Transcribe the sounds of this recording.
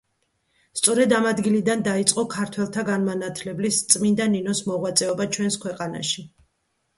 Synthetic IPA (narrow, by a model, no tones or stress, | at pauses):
st̪sʼɔɾɛd̪amad̪ɡilid̪and̪ait̪sʼqʼɔkʰaɾt̪ʰwɛlˠt̪ʰaɡanmanat̪ʰlɛblist̪sʼmind̪aninɔsmɔʁwat̪sʼɛɔbat͡ʃʰwɛnskʰwɛqʼana̰ʃi